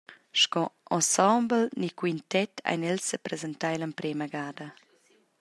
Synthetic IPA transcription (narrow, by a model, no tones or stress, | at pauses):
ʃkɔɔ̃sɔ̃mblnikwintɛtʰa̰jnɛlsdəpɾezent̪ajləmpɾɛːməɡaːdɐ